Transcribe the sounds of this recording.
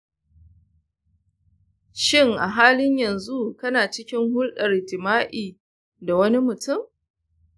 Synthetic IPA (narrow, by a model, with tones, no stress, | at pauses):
ʃɪ˦˨ŋʔa˨ɦaː˦lɪ˦ɲjɐ˨nzu˦kɐ˦naː˨t͡ʃɪ˦kʲɪ˦ŋhʊ˦lɗɐ˨rɪ˨tɪ˨maː˦ʔiː˨ | da˨wɐ˦ni˦mʊ˨tʊ˦˨m